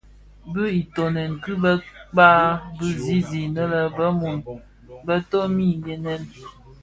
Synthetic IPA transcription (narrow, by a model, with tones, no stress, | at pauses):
bɨ˦i˨to˨nɛ˨nkɨ˦bə˦k͡paː˦bɨ˦zi˦zi˨nə˦lə˦bə˦mu˨n | bə˦to˦mi˦˨jɛ˨nɛ˦n